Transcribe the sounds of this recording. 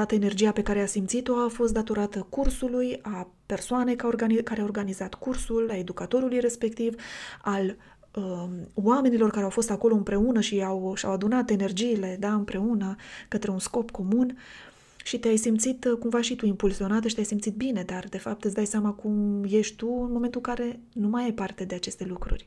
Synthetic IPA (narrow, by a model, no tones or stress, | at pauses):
at̪əene̞rd͡ʒijape̞kaɾe̞asimt̪sit̪o̞afo̞st̪d̪at̪o̞ɾat̪əkursuluja | pe̞rsoane̞jkaorɡaikaɾeao̞rɡanizat̪kursulae̞d̪ukat̪o̞ɾulujre̞spe̞kt̪ival | əwame̞nilo̞rkaɾeawfo̞st̪ako̞lo̞ɨmpɾe̞unəʃiawʃa̰wad̪unat̪e̞ne̞rd͡ʒiːle̞d̪aɨmpɾe̞unəkət̪ɾe̞unsko̞pko̞mun | ʃit̪eajsimt̪sit̪kumvaʃit̪uimpulsio̞nat̪əʃit̪eajsimt̪sit̪̚bine̞d̪ard̪e̞fap̚t̪ɨt̪sd̪ajseamakumje̞ʃt̪t̪uɨnmoment̪ulkaɾe̞ | numajajpart̪e̞d̪e̞at͡ʃe̞st̪e̞lukɾṵrʲ